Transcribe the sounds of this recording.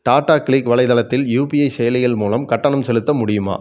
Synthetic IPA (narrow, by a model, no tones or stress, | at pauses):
ʈaːʈaːkɭikʋɐlɐɪðɐlɐt̪ːɪljuːpijɐɪsɛjɐlɪɣɐlmuːlɐmkɐʈːɐɳɐmsɛlɯt̪ːɐmʊɽɪjɯma̰ː